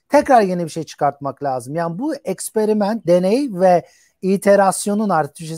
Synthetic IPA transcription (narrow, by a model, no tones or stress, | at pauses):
t̪ʰɛcɾaɾɟenibiʃe̞jt͡ʃʰɯ̥kaɾt̪̚maklʲaːzɯmjaːnibuɛcspe̞ɾimænt̪̚d̪e̞nejvɛ | it̪ʰe̞ɾasjo̞nunaɾt̪ʰbiʃe